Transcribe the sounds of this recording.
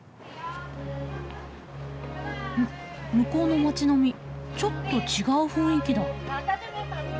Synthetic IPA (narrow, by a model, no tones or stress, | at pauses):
m | mɯ̟ko̞ːno̞mat͡ɕino̞mʲit͡ɕo̞t̪ːo̞t͡ɕiɡaɯ̟ɸɯ̟̃ɰ̃ikʲid̪a